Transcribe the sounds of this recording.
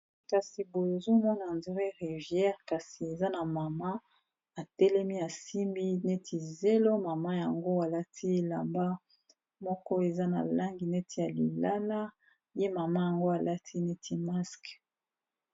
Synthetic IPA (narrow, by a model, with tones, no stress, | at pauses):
ka˨si˨bo˨e˨zo˦mɔ˦na˨ndi˦ʁe˦ʁi˨vjɛ˦ʁka˨si˨e˨za˦na˨ma˨ma˦ | a˨tɛ˦lɛ˦mi˦a˨si˦mbi˦ne˦tʰi˨ze˦lo˦ma˨ma˦ja˨ŋɡo˦a˨la˦tʰi˦e˨la˨mba˦ | mɔ˦kɔ˦e˨za˦na̰˨la˦ŋɡi˨ne˦tʰi˦ja˨li˨la˦la˦ | je˦ma˨ma˦ja˨ŋɡo˦a˨la˦tʰi˦ne˦tʰi˦ma˦sk